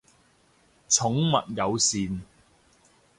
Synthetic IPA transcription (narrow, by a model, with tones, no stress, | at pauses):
t͡sʰʊ˨˥ŋmɐ̰˨t̚jɐ˨˧wsiː˨n